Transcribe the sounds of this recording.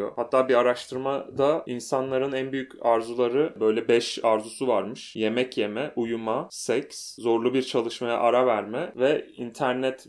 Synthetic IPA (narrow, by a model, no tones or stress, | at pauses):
jo̰hat̪ʰːaːbiaɾaʃt̪ʰɯɾmad̪ainsanlˠaɾɯnænbyjycʰaɾzulˠaɾɯbø̞jlʲɛbɛʃaɾzusuvaɾmɯʃje̞mɛcje̞mɛʔujumasɛcszo̞ɾlˠubiɾt͡ʃʰalˠɯʃmaja̰ʔaɾavæɾmɛvɛint̪ʰæɾnɛt̪